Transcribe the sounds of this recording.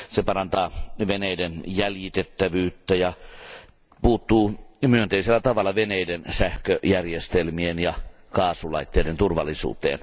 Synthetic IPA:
sepɑrɑnt̪ɑːʋeneidenjæljit̪et̪ːæʋyːt̪ːæjɑ | puːt̪ːuːmyønt̪eiselːæt̪ɑʋɑlːˑɑʋeneidensæhkøʔjærjest̪elmienjɑ | kɑːsulɑit̪ːeident̪urʋɑ̰lːˑisṵːt̪ḛːn

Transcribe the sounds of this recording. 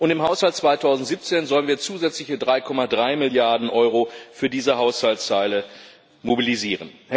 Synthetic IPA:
ʔʊntɪmhaʊshalt̚t͡sv̥aɪtʰaʊzn̩tz̥iːp̚t͡seːnzɔlənviːɐt͡suːzɛt͡slɪçədʁaɪkʰɔmadʁaɪmɪljaɐdn̩ʔɔʏʁofyːɐdiːzəɦaʊshaltt͡saɪlə | mobiliziːʁənhɛ

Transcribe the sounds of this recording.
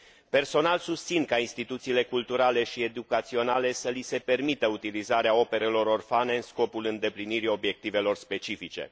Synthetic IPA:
pe̞rso̞nalsust̪sinkainst̪it̪ut̪siːle̞kult̪uɾale̞ʃie̞d̪ukat̪sio̞nale̞səlise̞pe̞rmit̪əut̪ilizaɾeao̞pe̞ɾe̞lo̞ɾo̞rfane̞ɨnsko̞pulɨnd̪e̞pliniɾio̞bje̞k̚t̪ive̞lo̞rspe̞t͡ʃifit͡ʃe̞̰

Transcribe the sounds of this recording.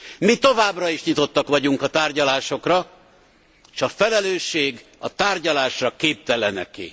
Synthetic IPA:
mit̪o̞vaːbrɒiʃɲit̪o̞t̪ːɒkʋɒɟuŋkɒt̪aːrɟɒlaːʃo̞krɒ | ʃɒfɛlɛløːʃːeːɡ | ɒt̪aːrɟɒlaːʃrɒkeːp̚t̪ɛlɛnɛ̰kḭ

